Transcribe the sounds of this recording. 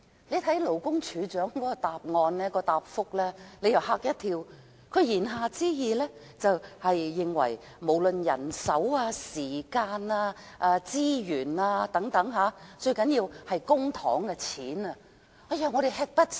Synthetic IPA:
le˨˧jt̪ʰɐ˨˥jlo˨˩wkʊ˥ŋt͡ʃʰyː˨˧t͡ʃœː˨˥ŋkɔː˨˥kɔ˧t̪aː˨p̚ŋɔː˧nlɛː˥kɔː˧t̪aː˨p̚fʊ˥k̚lɛː˥le˨˧jɐ˨˩whaː˧˥k̚jɐ˥t̪ʰiː˧w | kʰɵ˨˧ɥjiː˨˩nɦaː˨t͡siː˥jiː˨lɛː˥ | t͡sɐ˨whɐ˨jːɪ˨ŋwɐ̰˨˩j | mo˨˩wlɵ˨njɐ̰˨˩nsɐ˨˥waː˧siː˨˩kaː˧naː˧ | ʔaː˧t͡siː˥jyː˨˩naː˧t̪ɐ˨˥ŋt̪ɐ˨˥ŋɦaː˨˥t͡ʃɵ˧ɥkɐ˨˥njiː˧whɐ˨jkʊ˥ŋt̪ʰɔ̰ː˨˥ŋkɛ˧t͡sʰiː˨˥nɐ˧ | ɐ˨˧jɐː˨˧ŋɔː˨˧ɾe˨jhɛː˧˥k̚pɐ˥t̚

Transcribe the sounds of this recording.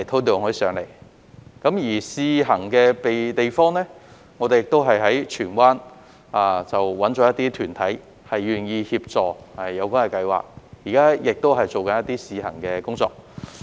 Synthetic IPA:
ɐ˨jt̪ʰo˥t̪̬o˨˧wŋhɵ˨˥sœː˨˥ŋle˨˩j | kɐ˨˥mjiː˨˩siː˧ɦɐ˨˩ŋkɛː˧pe˨jt̪e˨jfɔː˥ŋlɛː˥ | ŋɔ˨˧t̪e˨jɪ˨k̚t̪o˥wɦɐ˨jɦɐ˨˥jt͡ʃʰyː˨˩nwaː˥n | aː˧t͡sɐ˨wwɐ˨˥nt͡ʃɔː˨˥jɐ˥t̪iː˥t̪ʰyː˨˩nt̪ʰɐ˨˥j | hɐ˨jɥyː˨˩njiː˧hiː˧p̚t͡sɔː˨˩ɐ˨jɐ˨˧wkʷaː˥ŋkɐ˨˧˩kɐ˧jwa̰ː˨k̚jiː˨˩kaː˥jɪ˨k̚t̪o˥wɦɐ˨˩jt͡so˨wkɐ˨˥njɐ˥t̪iː˥siː˨˧hɐ̰˨˩ŋkɛː˧kʊ˥ŋt͡sɔ̰ː˧k̚

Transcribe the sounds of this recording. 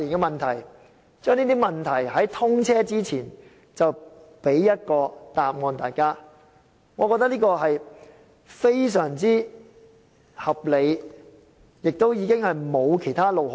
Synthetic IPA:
iː˨˩nkɛː˧mɐ˨nt̪ʰɐ˨˩j | t͡ʃœː˥ŋniː˥t̪iː˥mɐ˨nt̪ʰɐ˨˩jhɐ˨˥jt̪ʰʊ˥ŋt͡sʰɛː˥t͡siː˥t͡sʰiː˨˩n | t͡sɐ˨wpe˨˥jːɐ˥t̚kɔː˧t̪aː˨p̚ŋɔː˨˧nt̪aː˨˩jkaː˥ | ŋɔː˨˧kɔː˧k̚t̪ɐ˥kliː˥kɔː˧ɦɐ˨j | fe˥js̬œː˨˩ŋt͡siː˥ | hɐ˨p̚le˨˧j | jɪ˨k̚t̪o˥wjiː˨˧kɪ˥ŋhɐ˨jmo˨˧wkʰe˨˩jt̪ʰaː˥lo˨w

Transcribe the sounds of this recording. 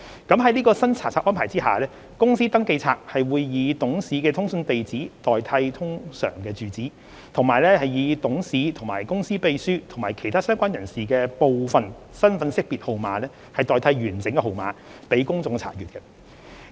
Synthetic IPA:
kɐ˨˥mɦɐ˨˥jliː˥kɔː˧sɐ˥nt͡sʰaː˨˩t͡sʰaː˨˥ʔɔː˥npʰaː˨˩jt͡siː˥ha̰ː˨lɛː˥ | kʊ˥ŋsiː˥t̪ɐ˥ŋke˧jt͡sʰaː˧k̚hɐ˨jwuː˨˧jːiː˨˧t̪ʊ˨˥ŋsiː˨˥kɛː˧t̪ʰʊ˥ŋsɵ˧nt̪e˨jt͡siː˨˥t̪ɔː˨jt̪ʰɐ˧jt̪ʰʊ˥ŋsœ̰ː˨˩ŋkɛː˧t͡syː˨t͡siː˨˥ | t̪ʰʊ˨˩ŋmaː˨˩jlɛː˥hɐ˨jjiː˨˧t̪ʊ˨˥ŋsiː˨˥t̪ʰʊ˨˩ŋmaː˨˩jkʊ˥ŋsiː˥pe˧jsyː˥t̪ʰʊ˨˩ŋmaː˨˩jkʰe˨˩jt̪ʰaː˥sœː˥ŋkʷaː˥njɐ˨˩nsiː˨˩kɛː˧po˨˧wfɐ˨n | sɐ˥nfɐ˨˥nsɪ˥k̚piː˨t̚ho˨˩wmaː˨˧lɛː˥ | hɐ˨jt̪ɔː˨jt̪ʰɐ˧jɥyː˨˩nt͡sɪ˨˥ŋkɛ˧ho˨wma̰ː˨˧pe˨˥jkʊ˥ŋt͡sʊ˧ŋt͡sʰa̰ː˨˩jyː˨tkɛ˧

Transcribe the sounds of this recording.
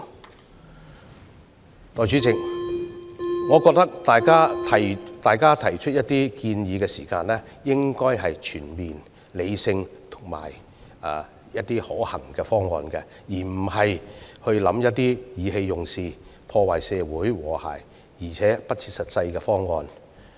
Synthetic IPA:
t̪ɔː˨jt͡ʃy˨˥t͡sɪ˨k̚ | ŋɔː˨˧kɔː˧k̚t̪ɐ˥k̚t̪aː˨jkaː˥tʰɐ˨t̪aː˨jkaː˥t̪ʰɐ˨˩jt͡ʃʰɵ˥t̚jɐ˥t̪iː˥kiː˧njiː˨˧kɛː˧siː˨˩kaː˧nlɛ˥ | jɪ˥ŋkɔː˥jɦɐ˨jt͡ʃʰyː˨˩nmiː˨n | le˨˧jsɪ˧ŋt̪ʰʊ̥˨˩ŋma̰ː˨˩j | a˧ | jɐ˥t̚t̪iː˥hɔː˨˥hɐ˨˩ŋkɛː˧fɔː˥ŋːɔ̰ː˧nkɛ˧ | jiː˨˩m̩˨˩hɐ˨jhɵ˧ɥlɐ̰˨˥mjɐ˥t̚t̪iː˥jiː˨˧ɦe˧jːʊ˨˩ŋsiː˨˧pʰɔː˧waː˨˩jsɛː˨˧wuː˨˥jwɔː˨˩ha̰ː˨˩j | jiː˨˩t͡sʰɛː˨˥pɐ˥t̚t͡sʰi̥˧t̚sɐ˨t̚sɐ˧jkɛ˧fɔː˥ŋːɔː˨˧n

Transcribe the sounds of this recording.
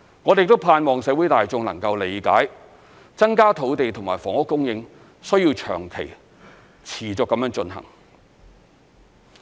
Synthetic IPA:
ŋɔː˨˧e˨jk̚t̪o˥wpʰaː˧nmɔː˨ŋsɛː˨˥wu˨˥jt̪aː˨jt͡sʊ˨˧ŋlɐ̰˨˩ŋkɐ˧wle˨˧jka̰ː˨˥j | t͡sɐ˥ŋkaː˥t̪ʰo˨˥wt̪e˨jt̪ʰʊ˨˩ŋmaː˨˩jfɔː˨˩ŋʊ˥kːʊ˥ŋjɪ˧ŋ | sɵ˥ɥji˧wt͡ʃʰœ̰ː˨˩ŋkʰe˨˩j | t͡sʰiː˨˩t͡sɔː˨kːɐ˨˥mjœː˧˥ŋt͡ʃɵ˧nɦɐ̰˨˩ŋ

